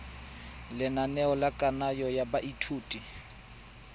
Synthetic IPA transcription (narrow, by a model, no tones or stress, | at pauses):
lɪnanɛɔlakʼanajɔjabaʔitʰuːtʼi